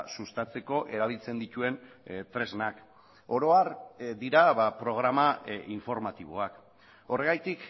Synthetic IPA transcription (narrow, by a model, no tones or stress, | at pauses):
sust̪at͡se̞ko̞ʔe̞ɾaβ̞ilt͡se̞nd̪it̪ue̞nt̪ɾe̞znak | o̞ɾo̞aɾd̪iɾaβapɾo̞ɣ̞ɾamaiɱfo̞ɾmat̪iβ̞o̞̰ak | o̞re̞ɣ̞ajt̪ik